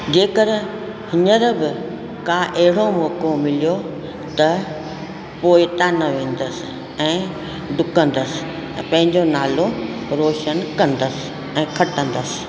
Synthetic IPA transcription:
d͡ʑeːkəɾ | hɪɲəɾbɪ | kaʔɐɦɪɽomɔːkomɪlijo | t̪ɐ | poːɪt̪aːnɐʋẽːnd̪əsɪ | ɛ̃ː | ɖʱʊkə̃n̆d̪əsɪ̥̃ | pɐ̃ɦɪ̃ɲd͡ʑonaːloɾoːʃənkɐ̃nd̪əsɪ̥ | ɛ̃ːkʰɐʈə̃nd̪əsɪ̥̆

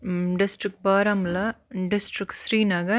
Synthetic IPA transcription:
ɖɪsʈɾɪk̚ʈ̚baːɾamlɐɖɪsʈɾɪksɾiːnaːɡɐ

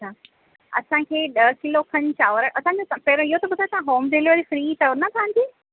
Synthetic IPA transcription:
ɐt͡ɕʰaː | ɐ̰sãkʰeːɗɐkɪlokʰɐɲt͡ɕaːʋəɾəʔɐsãɲd͡ʑot̪pɛɾoɪɦot̪ɐbʊd̪ʱaːjt̪ɐãɦoːmɖeːlioʋəɾifɾiːt̪ɐonɐt̪ʰãɲd͡ʑiː

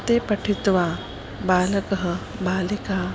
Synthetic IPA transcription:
t̪eːpɐʈʰit̪ʋaː | baːləkɐɦə | baːlikaː

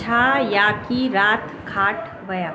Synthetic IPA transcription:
ajakiɾaːt̪ | kʰaːʈ | ʋɐjaː

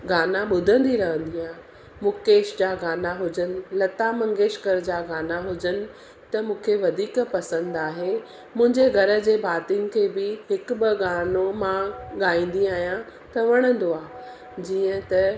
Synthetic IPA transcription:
ɡaːnaɓʊd̪ʱə̃nd̪iɾɐɦə̃nd̪iaː | mʊ̃keːʃd͡ʑaːɡaːnaɦʊd͡ʑənɪ̆lɐt̪amɐ̃ŋɡeːʃkəɾd͡ʑaːɡaːnaɦʊd͡ʑənɪ̆ | t̪ɐmũːkʰeʋɐd̪ʱiːkpɐsə̃nd̪aːɦe | mʊ̃ɦɪ̃ɲd͡ʑeɡʱɐɾə̆d͡ʑeːbʱaːt̪ɪŋkʰeːbɪɦɪkbɪɡaːnomãɠaːĩːn̆d̪iaːɦijã | t̪ɐʋɐɽ̃ə̃nd̪oaː | d͡ʑiːə̃t̪ɐ

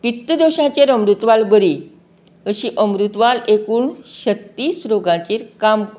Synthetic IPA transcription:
pit̪ːəd̪oɕãt͡ɕeɾəmɾut̪ʋalbəɾiː | əɕiːʔəmɾut̪ʋalekuːɳɕət̪ːiːsɾoɡãt͡ɕiːɾkamk

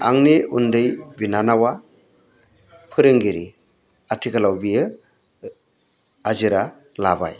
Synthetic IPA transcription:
a̰ŋniundɯjbinanawa | pʰɯɾɯŋɡiɾi | atʰikʰalawbijɯ | aziɾa | laba̰j

